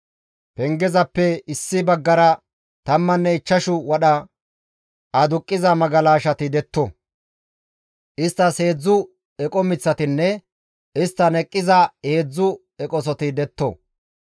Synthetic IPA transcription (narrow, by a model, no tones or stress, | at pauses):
pɛŋɡɛzɐpːɛɪsːɪbɐɡːɐɾɐ | t̪ɐmːɐnːɛɪt͡ʃːɐʃʊwɐɗɐ | ɐd̪ʊkʼːɪzɐmɐɡɐlaːʃɐt̪ɪd̪ɛt̪ːɔ̰ | ʔɪst̪ːɐshe̞ːd͡zːʊ | ɛkʼɔmɪt͡sːɐt̪ɪnːɛ | ɪst̪ːɐnɛkʼːɪzɐheːd͡zːʊ | ɛkʼɔs̬ɔt̪ɪd̪ɛt̪ːo̰